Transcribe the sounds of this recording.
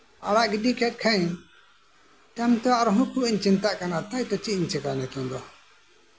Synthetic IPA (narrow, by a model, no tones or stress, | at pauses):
aɽaʔɡidikɛt̪̚ˀkʰaiɲ | t̪ɛmt̪ɛaʔɾɔɦɔ̃kuʔiɲt͡ʃint̪aʔkanat̪ajt̪ɔt͡ʃiʔiɲt͡ʃɛkanɛk̪ũd̪ɔ